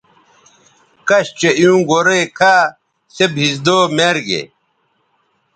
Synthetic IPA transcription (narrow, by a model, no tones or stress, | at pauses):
kɐɕt͡ɕejũːɡoɾekʰaː | sebɦisd̪oːmeɾɡḛ